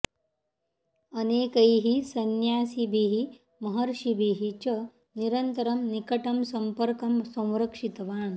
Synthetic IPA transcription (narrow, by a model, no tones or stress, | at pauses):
ɐneːkɐjɦisɐnjaːsibʱiɦi | mɐɦɐɾʂibʱiɦit͡ɕɐ | niɾɐnt̪ɐɾɐmnikɐʈɐmsɐmpɐɾkɐmsɐ̃w̃ɾɐkʂit̪ɐʋaːɳ